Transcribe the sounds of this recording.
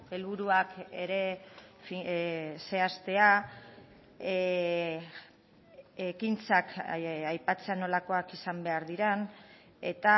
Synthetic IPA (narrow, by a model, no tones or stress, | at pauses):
e̞lβuɾuake̞ɾe̞fise̞ast̪e̞a | ekint͡sakajpat͡se̞ano̞lako̞akisambe̞aɾðiɾen | e̞̰t̪a